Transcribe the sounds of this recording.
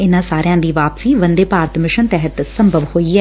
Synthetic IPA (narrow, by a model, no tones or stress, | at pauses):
ɪnãːsaːɾejãːd̪iːʋaːpsiːʋənd̪eːpaːɾt̪mɪʃənt̪ɛɦət̪sə̃mbʱəʋhoːiːɛː